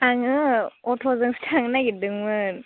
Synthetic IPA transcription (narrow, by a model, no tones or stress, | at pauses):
aŋɯɔtʰɔzɯŋstʰaŋnaɡidɯŋmɯn